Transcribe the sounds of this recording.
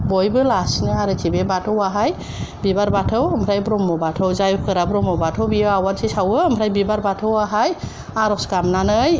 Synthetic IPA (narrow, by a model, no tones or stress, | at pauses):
bɔjbɯlasnɯaɾɯtʰibebatʰɯwaɦaj | bibaɾbatʰɯwmʰɾajbɾɔmːɔbatʰɔwzajukʰɯɾabɾɔmɔbatʰɔwbiɯawadsʰisawɯːmʰɾajbibaɾbatʰɔwaɦaj | aɾɔskamnanɯj